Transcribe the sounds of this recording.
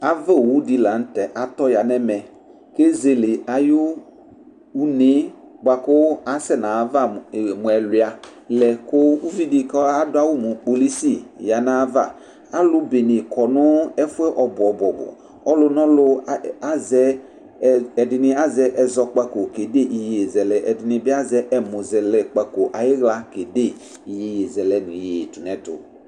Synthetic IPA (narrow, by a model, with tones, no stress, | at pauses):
a˨vɛ˦˨wu˦di˨la˨n̩˦tɛ˨ʔa˨t̪ɔ˦ja˨nɛ˦mɛ˨ | ke˦ze˨lɪ˨a˨jʊ˦ | u˦nɪ˨˦ | ɡ͡ba˨kʊ˦a˨sɛ˦nã˨va˦˨mʊ̃˨ɛ˨lwɪ˨a˨lɛ˨kʊ˦u˦vi˦dɪ˨kɔ˦a˦dʊ˦a˦wʊ˦mʊ˨k͡po˨li˦si˦˨ja˨nã˨˦va˨ | a˦lʊ˦be˨ne˨kʰɔ˨nʊ˦ɛ˦fʊ˦ɛ˦ʔɔ˨bʊ˨ɔ˨bʊ˨ɔ˨bʊ̰˨ | ɔ˦lʊ˦nɔ̃˦lʊ˦a˦zɛ˦ | ɛ˨dɪ˨nɪ˦a˦zɛ˦ʔɛ˨zɔ˨k͡pa˦ko˨ke˨de˦ʔi˨je˨e˨zɛ˨lɛ˨ʔɛ˨dɪ˨nɪ̃˨bɪ˦a˦zɛ˦ʔɛ˦mʊ˨zɛ˨lɛ˨k͡pa˦ko˨ʔa˨jɪ˦ɣla˦ke˨de˦˨ | i˨je˨˦je˨zɛ˨lɛ˨nʊ˨je˨tʊ˨nɛ˨˦tʊ̰˨